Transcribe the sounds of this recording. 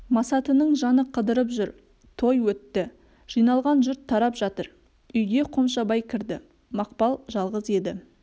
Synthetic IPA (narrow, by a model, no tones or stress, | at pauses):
mɑsɑt̪ənəɴʒɑnəqʰəd̪əɾəp̬ʒʏɾ | t̪ʰo̞jwɵt̪ːɪ | ʒ̥ijnɑlˠʁɑnʒʏɾt̪ʰːɑɾɑpʒ̥ɑt̪əɾ | ʏjɡʲe̞qʰo̞mʃɑbɑjkʲʰɪɾd̪ɪ̰ | mɑqpɑlˠʒɑlˠʁəze̞d̪ɪ